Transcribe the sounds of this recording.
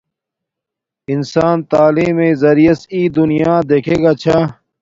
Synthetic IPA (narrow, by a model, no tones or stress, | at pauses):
insaːnt̪aːliːmezɐɾijɐsiːd̪unijaːd̪eːkʰeːɡaːt͡ɕʰa